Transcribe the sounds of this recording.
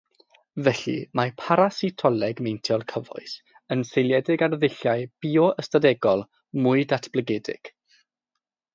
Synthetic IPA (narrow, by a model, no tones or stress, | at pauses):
vɛɬḭmapʰaɾasitʰɔlɛɡmejntʰjɔlˠkʰəvɔ̰ɨs | ənsejlˠjɛdɪɡarðɪɬjaɨb̥iːɔʔəstadɛɡɔlˠ | mʊɨdatʰb̥ləɡɛdɪ̰ɡ̥